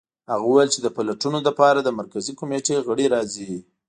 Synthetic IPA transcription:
haɣawajlt͡ʃed̪əpalaʈunoləpɑɾad̪əmaɾkazikomeʈeɣəɽeɾɑzi

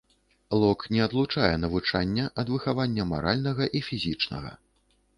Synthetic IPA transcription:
lˠɔknʲɛɐd̪lˠut͡ʂajɛnɐvut͡ʂanʲːɐʔɐd̪vɨxavanʲːɐma̰ɾalʲnɐɣɐʔifʲizʲit͡ʂnɐ̰ɣɐ̰

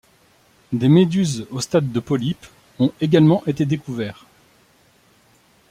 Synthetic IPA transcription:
d̪emed̪yzost̪ad̪ːəpɔlip | ɔ̃eɡalmɑ̃ʔet̪ed̪ekuvɛːʁ

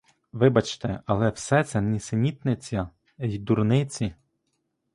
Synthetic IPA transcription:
ʋɪbɐt͡ʃt̪ɛɐlˠɛwsɛt̪sɛnʲisenʲit̪nɪt͡sʲːɐ | jd̪urnɪt͡sʲi

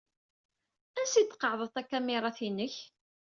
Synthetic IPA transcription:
ænsit͡s̪ːqːəʕðˤət̪ˤækːæmɪɾˤɑθinːəç

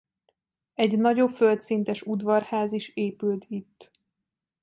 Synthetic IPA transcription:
ɛɟnɒɟo̞pfølt̪sint̪ɛʃud̪ʋɒrhaːziʃeːpylt̪ʰit̪ː

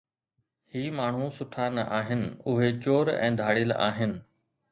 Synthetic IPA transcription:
hiːmaːɳ̤ũsʊʈʰanɐʔaːɦɪnɪ̆ʊɦet͡ɕoːɾɛ̰̃ːd̪ʱaːɽɪlʔa̰ːɦɪnɪ̆

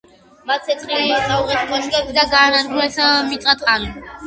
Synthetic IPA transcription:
mat̪sʰɛt̪ʰχilisauʁɛt̪ʰkʼɔʃʰikʼɛbd̪aɡaːnaɾɡulɛsamit̪ʼat̪ʰan

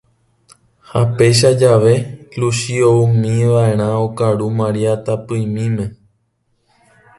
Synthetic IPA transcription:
hape̞jʃ̬ad͡ʒaʋe̞kluʃioumĩʋaẽ̞ɾ̃ãokaɾumãɾiat̪apɨjmĩmẽ̞

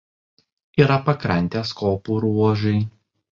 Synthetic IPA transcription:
iːɾɐpɐkɾɐnʲt̪ʲeːskoːpuːɾuɔʒʊɪ

